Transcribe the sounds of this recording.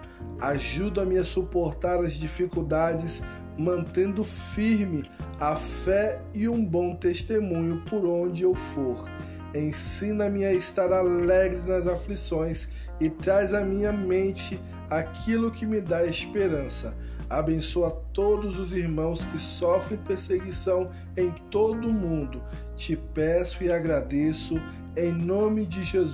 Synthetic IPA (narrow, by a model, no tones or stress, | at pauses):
aʒud̪ɐmɪɐsupoɾt̪aɾɐzd͡ʒifikuwd̪ad͡ʒɪs | mɐ̃nt̪ẽnd̪ʊfiɾmɪafɛ | ɪũbõw̃t̪est̪emũɲʊpoɾõd͡ʒɪewfoɾ | ẽsĩnɐmɪaɪst̪aɾalɛɡɾɪnɐzaflisõj̃s | ɪt̪ɾajzɐmĩɲɐmẽnt͡ʃɪ | akʰilʊkɪmɪd̪aespeɾɐ̃sɐ | abẽsoɐt̪od̪ʊzʊziɾmɐ̃w̃skɪsɔfɾẽj̃peɾseɡisɐ̃w̃ | ẽj̃t̪od̪ʊmũnd̪ʊ | t͡ʃɪpɛsʊɪaɡɾad̪esʊ | ẽj̃nõmɪd͡ʒɪʒez